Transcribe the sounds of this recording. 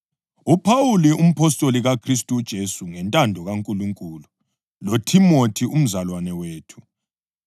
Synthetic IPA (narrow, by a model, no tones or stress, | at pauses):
upʰawulium̩pʰɔstʼoliɣakʰristʼud̥ʒ̥ʱesuŋɛntʼandʱɔɣaŋkʼuluŋkʼulu | lotʰimotʰium̩zalwanɛweːtʰu̥